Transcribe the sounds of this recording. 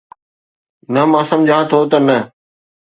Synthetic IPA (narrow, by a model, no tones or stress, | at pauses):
nɐmãːsəmd͡ʑʱãːt̪ʰoːt̪ɐnɐ